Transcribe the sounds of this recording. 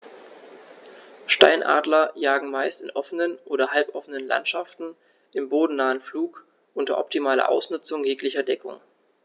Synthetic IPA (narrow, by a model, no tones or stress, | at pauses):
ʃta̰ɪnʔa̰ːdlɐjaːɡŋ̩maɪstɪnʔɔfənənʔoːɾɐɦalpʔɔfənənla̰ntʃaftn̩ | ʔɪmboːdn̩naːənfluːk | ʔʊntɐ̰ʔɔ̰p̚timaːlɐ̰ʔa̰ʊsnʊt͡sʊŋjeːklɪçɐdɛkʊ̰ŋ